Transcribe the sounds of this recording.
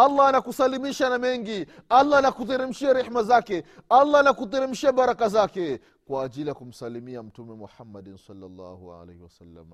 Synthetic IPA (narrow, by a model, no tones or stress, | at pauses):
alːaanakusalimiʃanamɛŋɡialːanakutiɾim̩ʃiaɾɛħmazakɛalːanakutiɾim̩ʃiaɓaɾakazakɛ | kwaːʄilijakum̩salimiam̩tumɛmɔħamːaɗinsalːalːa̰ːhua̰lḛhiwasalːa̰m